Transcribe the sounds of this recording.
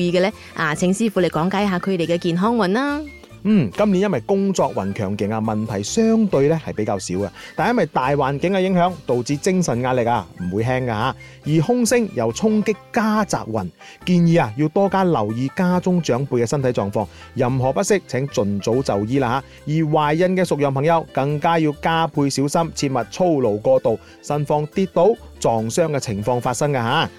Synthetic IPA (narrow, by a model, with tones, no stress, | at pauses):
iː˨˧kɛː˧lɛː˥ | ʔaː˨˧t͡sʰɪ˨˥ŋsiː˥fuː˨˧le˨jkɔː˨˥ŋkaː˨˥jɦaː˨˧kʰɵ˨˧t̪e˨jkɛ˧kiː˨˩nɦɔː˥ŋwɐ˨˩nlaː˥ | m̩ː˨˩kɐ˥mli˨˥njɐ˥nwɐ˨jkʊ˥ŋt͡sɔː˧k̚wɐ˨˩nkʰœː˨˩ŋkɪ˨˥ŋa˧mɐ˨˩nt̪ʰɐ˨˩jsœː˥ŋt̪ɵ˧ɥlɛ˥hɐ˨jpe˨˥kaː˧wsiː˨˥wka̰˧t̪aː˨njɐ˥mwɐ˨jt̪aː˨jwaː˨nkɪ˨˥ŋkɐ˧jɪ˨˥ŋɦœː˨˥ŋt̪o˨wt͡siː˧t͡sɪ˥ŋsɐ˨nŋaː˧t̚lɪ˨k̚aː˧m̩˨˩wuː˨˧jɦɛː˥ŋkaː˧ɦaː˨˥ | jiː˨˩hʊ˥ŋsɪ˥ŋjɐ˨˩wt͡sʰʊ˥ŋkɪ˥kːaː˥t͡sa̰ː˧k̚wɐ˨˩n | kiː˧njiː˨˧a˧jiː˧wt̪ɔː˥kaː˥lɐ˨˩wjiː˨˧kaː˥t͡sʊ˥ŋt͡ʃœː˨˥ŋpʰuː˧jkɛː˧sɐ˥nt̪ʰɐ˨˥jt͡sɔː˨ŋfɔː˧ŋ | jɐ˨mɦɔː˨˩pɐ˥t̚sɪ˥k̚t͡sʰɛː˨˥ŋt͡sɵ˨˩nt͡so˨˥wt͡sɐ˨wjiː˥laː˧aː˨˧ | jiː˨˩waː˨jjɐ˨nkɛː˧sʊ˨k̚jœː˨˩ŋpʰɐ˨˩ŋjɐ˨˧wkɐ˧ŋkaː˥jiː˧wkaː˥pʰuː˧jsi˨˥wsɐ˥mt͡sʰiː˧t̚mɐ˨t̚t͡sʰo˥wlo˨˩wkɔː˧t̪o˨w | sɐ˨nfɔː˧ŋt̪iː˧t̚t̪o˨˥wt͡sɔː˨ŋsœː˥ŋkɛː˧t͡sʰɪ˨˩ŋfɔː˧ŋfaː˧t̚sɐ˥ŋkaː˧ɦaː˨˥